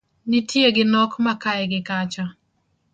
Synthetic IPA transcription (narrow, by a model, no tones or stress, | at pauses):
nitʰjeɡɪnɔkmakaɛɡɪkat͡ʃa